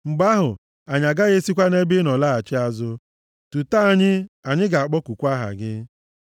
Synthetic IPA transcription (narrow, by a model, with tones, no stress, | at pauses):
ŋ͡m̩˨ɡ͡ba˦ɦʊ˨ | a˨ɲa˨ɡa˦ɣe˦si˦kʷa˦ne˦bɪ˦nɔ˨la˦a˨t͡ʃɪ˦a˦zʊ˦ | tu˨ta˦a˨ɲɪ˦a˨ɲɪ˦ɡa˨a˨k͡pɔ˦kʷu˨kʷa˦ɦa̰˨ɡɪ˦